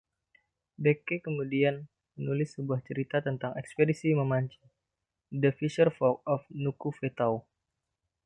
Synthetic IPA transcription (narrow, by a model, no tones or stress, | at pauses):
bekekəmudian | mənulɪsːəbuaht͡ʃəɾit̪at̪ənt̪aŋɛkspedisiməmaɲt͡ʃi | dəfisərfɔk̚ɔfnukufet̪aw